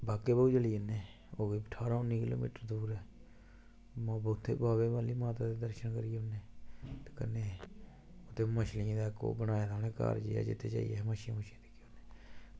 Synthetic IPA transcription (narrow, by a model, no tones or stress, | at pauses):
baːkeːbəuːd͡ʒəliːəneː | oːɡeːəʈʰaːɾãːʊnːĩːkɪlo̰ːmḭːʈəɾd̪uːɾɛː | mabət̪ʰːḛːbaːʋeːbaːliːmaːt̪aːd̪eːd̪əɾʃənkəɾijeʊnːeːt̪ekənːeː | ot̪ːeːməʃlɪẽːd̪aːko̰ːbənaːet̪ʰaneːka̰ːɾd͡ʒḛːa̰ːd͡ʒɪ̰t̪ʰːeːt͡ʃa̰ːḭjeməʃã̰məʃẽːt̪e̥ːkoneː